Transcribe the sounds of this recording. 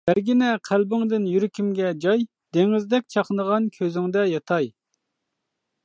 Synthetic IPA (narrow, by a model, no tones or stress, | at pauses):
b̥æɾɡʲinɛqʰælbɪŋd̪ɪnjyɾɪkʲimɡʲɛd͡ʒɑj | d̪eŋɪzd̪ɛk̚ʲt͡ʃʰɑχnəʁɑnkʲʰøzɪŋd̪ɛjɑt̪ʰɑj